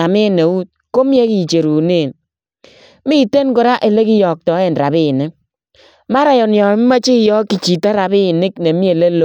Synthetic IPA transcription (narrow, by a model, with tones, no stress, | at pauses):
a˨me˦ne˨u˦t̚ko˦m˦e˦ki˨t͡ʃe˨ɾu˨ne˦˨n | mi˦te˦nkʊ˨ɾa˦ʔe˨le˦ki˦jɔ˨k̚tɔ˨˦e˦˨nɾa˨bɪ˦˨nɪ˦ | ma˦ɾa˨jɔ˨njɔ˨˦ma˦t͡ʃi˦˨jɔ˦ki˨t͡ʃi˨ta˦ɾa˨bɪ˦˨nɪ˦kne˨mi˦e˨le˦lo˦